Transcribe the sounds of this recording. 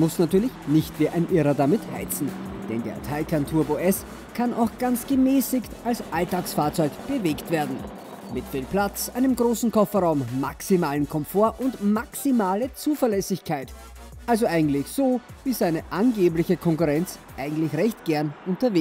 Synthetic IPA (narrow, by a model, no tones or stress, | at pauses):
mʊsnatyːɐlɪçnɪçtv̥iːʔaɪnʔɪʁɐdamɪtha̰ɪt͡sn̩d̥ɛ̰ndḛɐtʰaɪkʰantʰuːɐboːʔɛs | kʰanʔa̰ʊxɡ̥ant͡sɡ̥əmɛːsɪktʔalsʔaltaːksfaːɐt͡sɔʏkb̥əveːktv̥eːɐdn̩ | mɪtb̥ɪl̚plat͡sʔaɪnəmɡʁoːsn̩kʰɔfɐʁaʊmːa̰ksimaːlənkʰɔmfoːɐʔʊntmaksimaːlət͡suːfɛɐlɛsɪçkʰaɪt | ʔalzoʔaɪɡŋ̩tlɪçz̥oːviːzaɪnəʔanɡeːplɪçəkʰɔŋkʊʁɛnt͡sʔaɪɡŋ̩tlɪçʁɛçtɡ̥ɛɐnʔʊ̃ntɐveː